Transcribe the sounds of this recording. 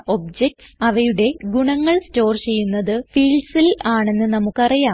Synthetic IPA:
o̞bd͡ʑek̚ʈsɐʋɐjuɽe̞ɡuɳɐŋːɐɭsto̞ːrt͡ɕe̞jːunːɐðɨfiːlsilaːɳe̞nːɨnɐmukːɐrijaː

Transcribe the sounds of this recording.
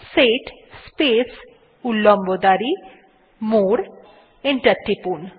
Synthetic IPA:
seʈspes | ulːombod̪aɾi | moɾ | eɳʈəɾʈɾipun

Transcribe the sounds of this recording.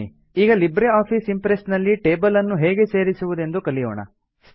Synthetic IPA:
i | iːɡɐlibɾeaːpʰiːsimpɾesnɐlːiʈe̞ːbɐlɐnːuɦeːɡe̞se̞ːɾisuʋud̪e̞nd̪ukɐɭijoːɳɐ̰

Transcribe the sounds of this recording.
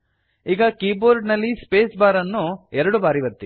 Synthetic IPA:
iːɡɐkiːboːɾɖnɐlːispeːsbaːɾɐnːuɛɾɐɽubaːɾiʋɐt̪ːi

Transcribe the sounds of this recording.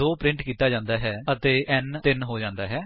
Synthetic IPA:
oːpɾɪ̃ɳʈkiːt̪aːd͡ʒãːnd̪aːɦɛːət̪eːʔɛːnt̪ɪnɦoːd͡ʒãːnd̪aːɦɛː

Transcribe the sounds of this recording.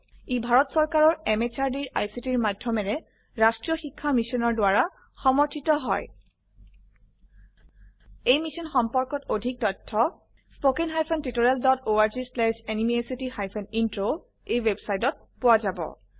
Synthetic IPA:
ibʱaɹɔtsɔɹkaɹɔɹɛmet͡ʃaɹdiɹʔa̰jsitiɹmadʱjɔmɛɹɛ | ɹastɹijɔxikʰːamisɔnɔɹdʊaɹa | xɔmɔɹtʰitɔɦɔ̰j | ejmisɔnxɔmpɔɹkɔtodʱik̚tɔtʰːɔ | spokenɦajpʰɔntitoɹɛldɔtoaɹzislɛsenimiesitixajpʰɔnintɹo | ejwebsajtɔt̚ | pʊwazabɔ̰

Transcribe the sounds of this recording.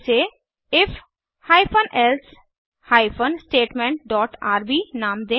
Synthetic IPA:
seː | ɪf | haːipʰənʔɛls | haːipʰənsʈeːʈmɛ̃ɳʈ̚ɖɔːʈaːɾbiːnãːmd̪ẽː

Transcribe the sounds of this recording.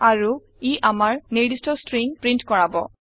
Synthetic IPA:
aɹu | iʔamaɹniɹdistɔstɹiŋpɹintkɔɹabɔ

